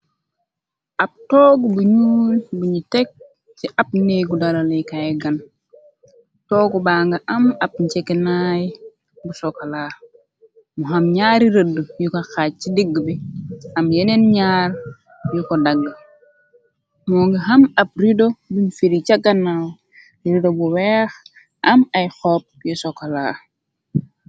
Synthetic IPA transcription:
ʔap̚tɔːɡbuɲuːlbuɲitɛk̚ | t͡ʃiʔap̚neɡudaɾalekajɛɡan | tɔɡubaːŋɡaʔamap̚ɲt͡ʃekɛnaj | busɔkalaː | muɦamɲaːɾiɾədːujukaxaːt̚t͡ʃidiɡːbiɐmjenenɲaːɾ | jukodaɡː | mɔŋɡaɦɐmɐp̚ɾidobinfiɾit͡ʃaɡanːaw | iɾidobuwɛːx | ʔɐmajxɔːp̚jusɔkalaː

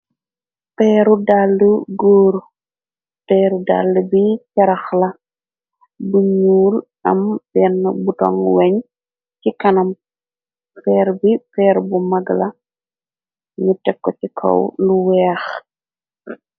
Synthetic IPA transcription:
pɛːɾudalːuɡoːɾ | pɛːɾuda̰lːubit͡ʃɐɾɐxlɐ | buɲuːl | ɐ̰mbɛnːbutɔ̰ŋwɛɲ | cikɐnɐm | pɛːɾbifɛːɾbumɐɡlɐ | ɲutɛkːɔcikʰɔ̰wluwɛːx

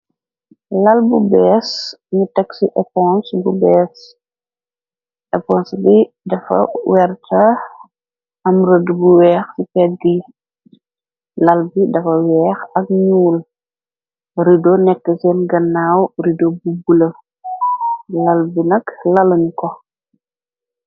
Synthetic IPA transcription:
lɐlbubɛːs | ɲutɐksiʔɛpɔnsbubɛːs | ʔɛpɔːnsbi | dɐfɐ̰wɛrtʰɐ | ɐmɾədbuwɛːxsipɛt̚ɡi | lɐlbidɐfɐwɛːxɐk̚ɲuːl | ɾidonɛkːəsɛnɡɐnːaːwridobubulɐ | lɐlbinɐklɐlɐnkɔ

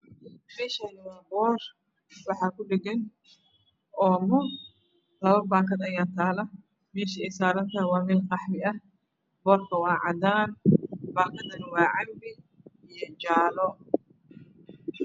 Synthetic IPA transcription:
mɛːʃɐnɪwaːnbɔːr | wɑħɑːkʊɖɛɡɐn | ʔɔːmɔ | lɐβɐbaːkɐd̪ɐjaːnt̪ʰaːlɐ | mɛːʃɐɛjsaːɾɐnt̪ʰaːwaːmɛːlqɑħmɪʔɐh | bɔːrkʰɐwɑːʕɑd̪aːnbaːkʰɐd̪ɐnwɑːʕɑmbɪ | ijɔt͡ʃaːlɔ

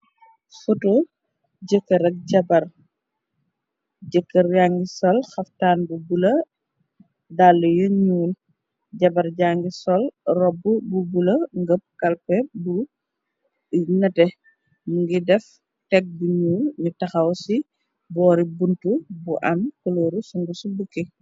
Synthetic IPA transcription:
futo | ɟəkːəɾɐk̚ɟɐbɐɾ | ɟəkːɐɾjaːŋɡisɔlxɐftaːnbubulɐ | dalːujuɲuːl | ɟɐbɐɾɟaːŋɡisɔlrɔbːububulɐŋɡəp̚kɐlpɛbu | nɐtɛ | muŋɡidɛf | tɛk̚buɲuːlɲutɐxɐwsi | bɔːɾibuntubuʔɐmkɔloɾusuŋɡusubəkːi

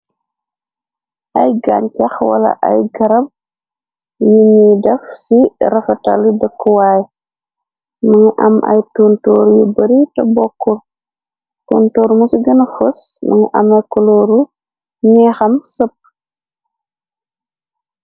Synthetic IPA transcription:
ʔɐjɡa̰ɲcɐxwɐ̰lɐ̰ʔɐ̰jɡɐɾɐb̚ | juɲidɛfsirɐfɐtaludəkːuwaːj | mɐŋiʔɐ̰mʔɐ̰jtuːntɔːɾjubɐɾitɐbɔkːɔr | toːntoːɾmusiɡɐnɐfosmɐ̰ŋiʔɐmɐjkɔlɔːɾu | ɲɛːxɐmsəp̚

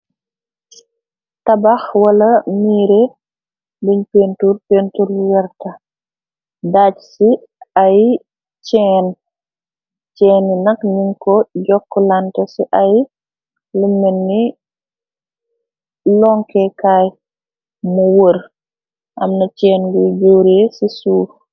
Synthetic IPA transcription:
tɐbaxwɐlɐmiːɾe | bəɲpentuɾpeːntuɾwɛɾtɐ | dat͡ʃsi | aj | t͡ʃɛːn | t͡ʃɛːnːinɐkniŋkɔɟɔkːɔlantɛsiʔaj | lumːɛnːi | lɔŋkɛkaːj | muwəɾ | ʔɐ̰mnɐt͡ʃɛːnɡuɟowɾesisuː

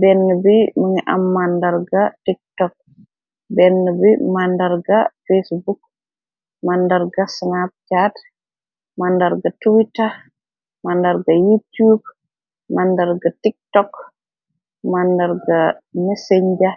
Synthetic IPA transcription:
bɛnːubimiŋɛʔa̰mːandaɾɡatik̚tɔk̚ | bɛnːubimandaɾɡafesbuk̚ | mandaɾɡasnap̚t͡ʃat | mandaɾɡatuwita | mandaɾɡajutub̚ | mandaɾɡatik̚tɔk | mandaɾɡamɛsɛɲd͡ʒa

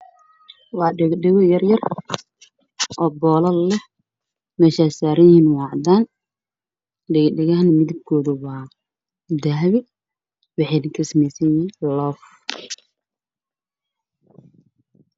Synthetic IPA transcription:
wɑːɛɖɛɣɔjɐrjɐr | ʔɔːbɔːlɐlɛh | mɛːʃaːsaːɾɐjinwɑːʕd̪aːn | ɖɛɖɛɣɐɦnmɪðɪb̚kʰɔːðʊwaː | d̪aɦβɪ | wɑħɛd̪ɪkʰɐsɐmɛjsɛjinlɔːf

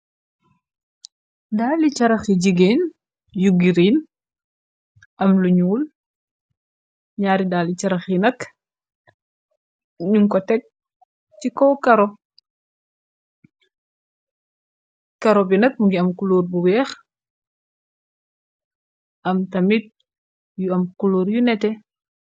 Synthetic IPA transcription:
daːlit͡ʃɐɾɐxiɟiɡeːn | juɡiɾiːn | ʔɐmluɲuːl | ɲaːɾidaːlit͡ʃɐɾɐxinɐk | ɲuŋkɔtɛk̚ | cikoːkɐɾo | kɐɾobinɐt̚muɡiɐmkuloːɾbuwɛːx | ʔɐmtɐmit̚ | juɐmkuloːɾjunɛtɛ

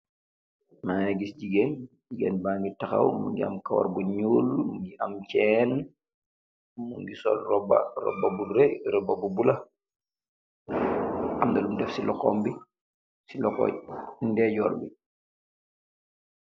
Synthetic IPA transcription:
manɛɡisɟiɡɛnɟiɡɛnbaːŋɡitaxa̰wmṵŋɡia̰mkawa̰ɾbuɲuːlmuŋɡiʔɐmcɛn | muŋɡisɔ̰lrɔba̰rɔ̰babuɾɛɾɔbabubula | ʔamdɐlumdɛfsilɔkɔmbi | silɔkɔ̰ːndɛːɟɔːlbi

